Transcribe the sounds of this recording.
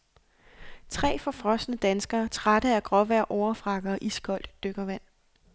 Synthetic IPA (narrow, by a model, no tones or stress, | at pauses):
t͡sʰʁɛ̰ːfɒ̽fʁɒ̽sdnəd̥ænsɡ̥ɐːt͡sʰʁad̥əæɡ̥ʁɒ̽ʋæɐ̰ʔɒʊɐfʁɑ̈ɡ̥ɐːʔisɡ̥ʰɒ̽l̰d̥ːøɡ̥ɐʋæn̰